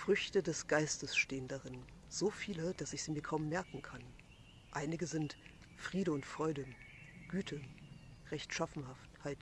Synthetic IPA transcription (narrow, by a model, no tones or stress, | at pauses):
fʁ̥ʏçtədɛsɡ̥aɪstəsʃteːəndaʁɪn | z̥oːfiːləd̥asɪçz̥iːmiːɐkʰaʊmːɛɐkŋ̩kʰan | ʔaɪnɪɡəzɪnt | fʁ̥iːɾəʊntfʁ̥ɔʏdə | ɡ̥yːtʰəʁɛçtʃafn̩hafthaɪt